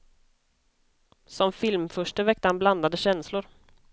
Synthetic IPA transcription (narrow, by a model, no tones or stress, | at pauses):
sɔmfɪlmfœʂʈəvɛk̚t̪əhanbland̪ad̪əɕɛnslʊɾ